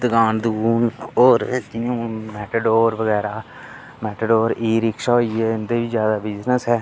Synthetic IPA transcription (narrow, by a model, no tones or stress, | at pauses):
d̪əɡaːnd̪ɡuːnoːɾd͡ʒiõmɛːʈəɖoːɾʋəɡɛːɾaː | mɛːʈəɖoːɾiːɾɪkʃaːɦoːiɛːɪnd̪eːbiːd͡ʒjaːd̪aːbɪznəsɦɛː